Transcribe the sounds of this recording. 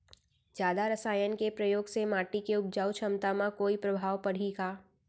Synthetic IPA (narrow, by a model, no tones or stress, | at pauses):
d͡ʒjaːd̪aɾəsaːjənkepɾəjoːɡsemaːʈikeʊp̚d͡ʒaːwt͡ʃʰəmt̪amãkoːipɾɐbʱaːʋpɐɽ̤iːɡaː